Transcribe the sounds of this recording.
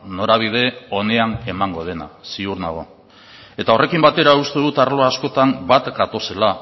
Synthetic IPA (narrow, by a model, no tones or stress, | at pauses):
no̞ɾaβ̞ið̞e̞o̞ne̞ane̞maŋɡo̞ð̞e̞na̰siuɾnaɣ̞o̞ | e̞t̪ao̞rʔe̞kimbat̪e̞ɾaust̪e̞ðut̪aɾlo̞aːsko̞t̪ambat̪ɡat̪o̞se̞la